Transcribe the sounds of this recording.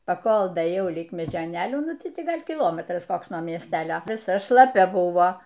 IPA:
pɐˈkoːlˠ dɐeːˈjɛʊ lʲɪk mʲɛʒʲoːˈnʲeːlʲuː ˈnʊ ˈtʲɪ ˈɡɐlʲ kʲɪˈlˠoːmʲɛtrɐs ˈkoːks nuɔ mʲiɛsʲˈtʲæːlʲoː ʋʲɪˈsɐ ʃlˠɐˈpʲɛ ˈbʊʋoː

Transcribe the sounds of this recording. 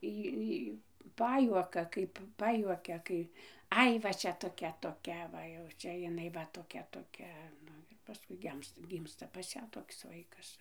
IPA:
ˈiː ˈiː ˈpɑːjuɔkɐ kɐɪp ˈpɑːjuɔkʲɛ ˈkɐɪ ˈɐɪ ʋɐ ˈt͡ʃʲɛ toːˈkʲɛ toːˈkʲɛ ˈʋɐ jɛʊ ˈt͡ʃʲɛ jɪˈnɐɪ ʋɐ toːˈkʲɛ toːˈkʲɛ ˈnʊ ɪr pɐˈskʊɪ ˈɡʲɛmstɐ ˈɡʲiːmstɐ pɐs ˈjæː toːks ˈʋɐɪkɐs

